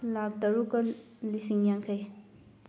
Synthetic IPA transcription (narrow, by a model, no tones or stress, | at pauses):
lak̚dɐɾukɐ | lisiŋjaŋkʰɐj